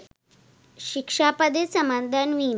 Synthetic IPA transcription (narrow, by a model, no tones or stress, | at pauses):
ɕikʂapəd̪esəmand̪ʱanʋim